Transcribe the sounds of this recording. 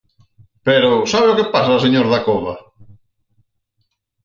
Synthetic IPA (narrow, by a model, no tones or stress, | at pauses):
peɾʊsaβeokepasaseɲoɾðakoβa̰